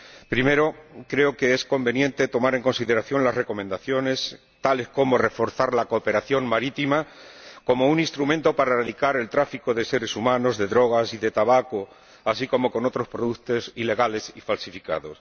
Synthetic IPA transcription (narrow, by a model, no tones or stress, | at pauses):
pɾime̞ɾo̞kɾe̞oke̞esko̞mbe̞njẽ̞nt̪e̞t̪o̞maɾe̞ŋko̞nsiðe̞ɾaθjo̞nlasre̞ko̞mend̪aθjo̞ne̞s | t̪ale̞sko̞more̞fo̞ɾθaɾlako̞pe̞ɾaθjo̞ŋmaɾit̪ima | ko̞mo̞unĩnst̪ɾument̪o̞paɾaeraðikaɾe̞lt̪ɾafiko̞ðe̞se̞ɾe̞sumãno̞zðe̞ðɾo̞ɣ̞asiðe̞t̪aβako | asiko̞mo̞ko̞no̞t̪ɾo̞spɾoðut̪o̞sile̞ɣale̞sifalsifika̰ðo̞s